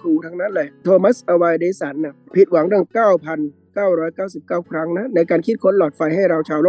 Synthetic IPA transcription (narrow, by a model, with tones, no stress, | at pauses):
kʰɾuː˧t̪ʰaː˦˥ŋna˦˥˨lɛ˧˩t̪ʰoː˧ma˦˥sʔa˧waː˧jdeː˧˥sa˩˦nːa˧˩pʰi˨˩t̪̚wa˩˦ŋɾɯ˥˩əŋkaː˥˩wpʰa˧n | kaː˥˩wɾɔː˦˥jkaː˥˩wsi˨˩p̚kaː˥˩wkʰɾa˦˥ŋna˦˥na˧jkaː˧nkʰi˦˥˩kʰo˧˥nlɔː˨˩t̪̚fa˧jha˥˩jɾa˧wt͡ɕʰaː˧wloː˥˩